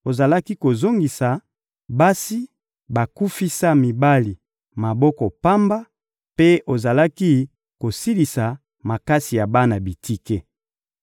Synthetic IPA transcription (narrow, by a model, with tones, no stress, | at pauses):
o˨za˨la˦ki˦ko˨zo˦ŋɡi˨sa˨ | ba˦si˦ | ba˨ku˦fi˦sa˦mi˨ba˦li˨ | ma˨bɔ˦kɔ˨pa˦mba˦ | pe˦o˨za˨la˦ki˦ | ko˨si˦li˨sa˨ | ma˨ka˦si˨ja˨ba˦na˨bi˨ti˦ke˦